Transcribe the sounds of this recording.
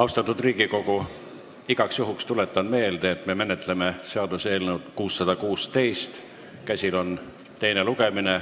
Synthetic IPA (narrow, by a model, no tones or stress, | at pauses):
ɑwst̪ɑt̪ːˑud̪riːɡ̥iko̞ɡ̥u | iɡ̥ɑksjuɦukst̪ule̞t̪ːˑɑnme̞ːld̪̥eːt̪ːˑme̞me̞net̪ːˑle̞me̞se̞ɑd̪̥use̞ːlnewd̪̥kuːsːɑd̪̥ɑkuːst̪e̞jst̪ | kæsʲilo̞n | t̪e̞jne̞luɡ̥e̞mine̞